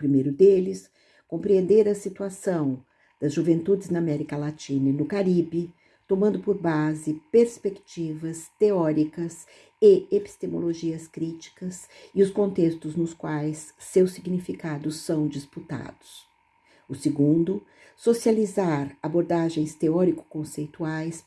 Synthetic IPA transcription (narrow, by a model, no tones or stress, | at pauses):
pɾimejɾʊd̪elɪs | kõpɾiẽnd̪eɾɐsit̪uasɐ̃w̃ | d̪̥ɐzʒuvẽnt̪ud͡ʒɪznɐamɛɾikɐlat͡ʃĩnɐinʊkaɾibɪ | t̪omɐ̃nd̪ʊpoɾbazɪpeɾspekt͡ʃivɐst̪eɔɾikɐs | ɪepi̥st̪emo̰loʒiɐskɾit͡ʃi̥kɐsɪʊskõnt̪est̪ʊznʊskwajsːewsiɡnifikad̪ʊsɐ̃w̃d͡ʒisput̪a̰d̪ʊs | ʊsɪɡũnd̪ʊ | sosializaɾaboɾd̪aʒẽj̃st̪eɔɾikʊ̥kõsejt̪uajs